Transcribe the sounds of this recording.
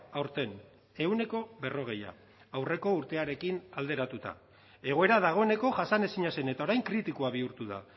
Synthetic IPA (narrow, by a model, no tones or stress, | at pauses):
awɾt̪e̞n | e̞une̞ko̞βe̞ro̞ɣ̞e̞ja̰ː | wre̞ko̞uɾt̪e̞aɾe̞kinald̪e̞ɾat̪ut̪a̰ | e̞ɣ̞o̞e̞ɾað̞aɣ̞o̞e̞ne̞ko̞ʝasane̞siɲase̞ne̞t̪ao̞ɾajŋkɾit̪ikuaβ̞iuɾt̪uða̰